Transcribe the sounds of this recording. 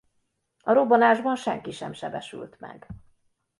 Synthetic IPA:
ɒɾo̞bonaːʒbɒnʃɛŋkiʃɛmʃɛbɛʃy̰lt̪mɛ̰ɡ

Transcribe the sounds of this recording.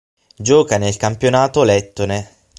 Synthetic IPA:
d͡ʒɔːkanelkampjonaːt̪olɛt̪ːone

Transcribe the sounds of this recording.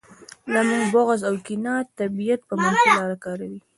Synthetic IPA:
lamuŋɡbʊɣazawkinɑt̪ːabijat̪̚pəmaselɑɾakɑɾawi

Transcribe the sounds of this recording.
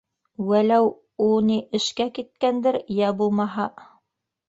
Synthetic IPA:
wælæw | uniʔɘ̆ʃkækit̪̚kænd̪ɘɾjæbulˠmɑɦɑ

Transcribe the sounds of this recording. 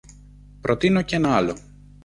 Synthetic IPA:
pɾo̞t̪ino̞ce̞nɐɐlo̞

